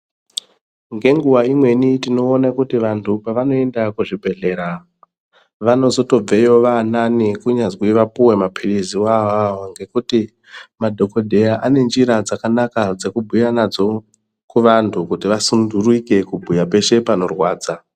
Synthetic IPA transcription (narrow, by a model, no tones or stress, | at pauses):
ŋɡe̞ŋɡuwaimwe̞nitino̞ːnakutiʋantʰupaʋano̞e̞ndakuʐibʱe̞ɮe̞ːɾa | ʋano̞zo̞to̞b͡ve̞jo̞ʋananikuɲazwiʋapuwe̞mapʰiɗiziwawawoŋɡe̞kuti | madʱo̞ko̞dʱe̞jaʔane̞nd͡ʒiɾad͡zakanakad͡ze̞kubʱujanad͡zo̞ | kuʋantʰukutiʋasunduruike̞kubʱujape̞ʃe̞pano̞rwaːd͡za